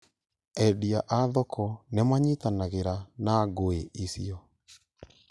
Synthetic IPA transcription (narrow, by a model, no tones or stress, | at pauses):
ɛdiaʔaðɔkʰɔnemaɲitanaɣeɾanaɣoeʔisiɔ